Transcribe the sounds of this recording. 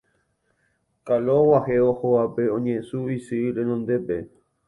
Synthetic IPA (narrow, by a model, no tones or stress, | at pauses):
kalowaɦeohoape̞õɲẽsuisɨɾẽnõnd̪e̞pe